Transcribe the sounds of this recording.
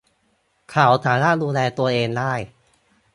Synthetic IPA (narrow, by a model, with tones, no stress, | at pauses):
kʰaː˩˦wt̪ʰaː˩˦naː˥˩t̪̚duː˧nlɛː˧t̪u˧ɐʔeː˧ŋdaː˥˩j